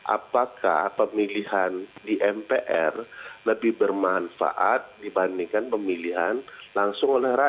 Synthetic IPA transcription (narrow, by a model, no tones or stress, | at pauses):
ʔa̰paka̰hpəmilihandiʔɛmpeʔɛrləbɪhbərmanfa̰ʔat̪̚dibandiŋkanpəmiliɦanlaŋsʊŋolɛhɾa